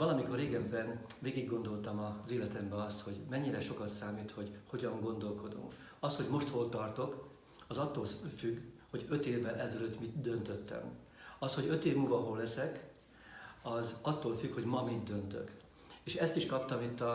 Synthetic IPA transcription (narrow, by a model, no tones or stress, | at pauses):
vɒlɒmiko̞rːeːɡɛbːɛnveːɡiɡːo̞nd̪o̞lt̪ɒmɒzeːlɛt̪ɛmbɛɒst̪ho̞ɟmɛɲːiɾɛʃo̞kɒt̪saːmiːt̪ho̞ɟho̞ɟɒŋɡo̞nd̪o̞lko̞d̪ṵŋk | ɒsho̞ɟmo̞ʃt̪ho̞lt̪ɒrt̪o̞k | ɒzɒt̪ːoːlfyɡho̞ɟø̞t̪eːvːɛlʔɛzɛløt̪mit̪d̪ø̞nt̪ø̞t̪ːɛ̰m | ɒsho̞ɟø̞t̪eːvmulvɒɦolːɛsɛk | ɒzɒt̪ːoːlfykho̞ɟmɒmid̪ːø̞nt̪ø̰k | eːʃɛst̪iʃkɒpt̪ɒmit̪ːɒ